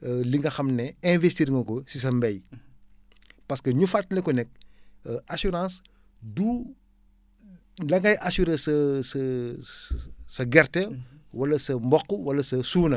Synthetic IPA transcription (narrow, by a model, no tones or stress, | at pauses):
liŋɡɐxɐmnɛɛ̃vestiːɾŋɡɐkɔsis̬ɐmbɛj | pɐskəɲufartnɛkɔnɛk̚ʔɐsuɾãːs | du | lɐŋɡɐjʔɐsuɾesɐsɐ | sɐɡɛrtɛwɐlɐsɐmbɔkːuwɐlɐsɐsuːnɐ